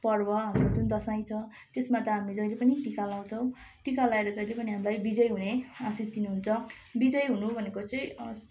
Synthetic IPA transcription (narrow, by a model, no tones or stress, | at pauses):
pʌrbʌɦamrod͡zund̪ʌsaj̃t͡sʰʌ | t̪esmat̪ʌɦamid͡zʌilepʌniʈikalaw̃t͡sʰʌw̃ | ʈikalaeɾʌd͡zʌijlepʌniɦamlajbid͡zʌjɦuneasisd̪inuɦunt͡sʰʌ | bid͡zʌjɦunubʱʌnekot͡sʌ̃ĩs